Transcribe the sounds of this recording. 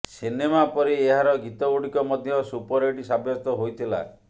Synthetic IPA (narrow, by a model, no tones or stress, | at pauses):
sinemapɔɾieɦaɾɔɡit̪ɔɡuɽikɔmɔd̪ʱjɔsupɔɾeɖisabjɔst̪ɔɦojt̪ʰila̰